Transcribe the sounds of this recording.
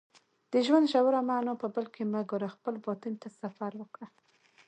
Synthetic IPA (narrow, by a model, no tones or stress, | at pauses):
d̪̥əʒwand̪ʒawaɾamanopəbəlkemaɡoɾaxpəlbɔt̪ɪnt̪asafaɾwəkɽa